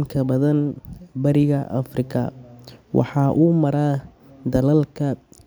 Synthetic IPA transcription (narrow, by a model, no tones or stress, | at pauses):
mkʰɐbɐðɐnbɐɾɪɣɐʔɐ̰frɪkʰɐ̰wʔɑ̰ħɑːʔuːmɐɾaː | d̪ɐlɐlkʰɐ